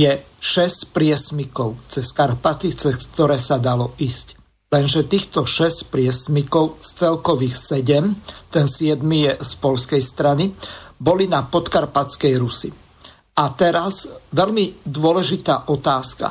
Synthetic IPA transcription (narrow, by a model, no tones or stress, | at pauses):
jɛ | ʃɛscpɾɪɛsmikɔʊt͡sɛskaɾpat̪it͡sɛskt̪ɔɾɛːsad̪alɔiːsc | lɛnʒɛt̪iːxt̪ɔʃɛscpɾɪɛsmikɔʊst͡sɛlkɔʋixsɛɟɛmt̪ɛnsɪɛd̪mijɛspɔʎskɛjst̪ɾanibɔlinapɔt̪kaɾpat͡skɛjɾusi | ʔat̪ɛɾazʋɛʎmid̪ʊɔlɛʒit̪aːʔɔt̪aːska̰